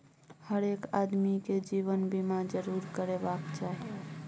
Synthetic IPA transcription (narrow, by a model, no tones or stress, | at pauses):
həɾeːkad̪miked͡ʒiʋənbʱimãd͡ʒəɾuːɾkəɾebakt͡ʃaɦi